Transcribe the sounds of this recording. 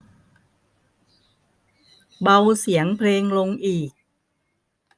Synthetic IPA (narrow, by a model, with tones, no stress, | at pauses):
ba˧wsi˩˦əŋpʰleː˧ŋlo˧ŋʔiː˨˩k̚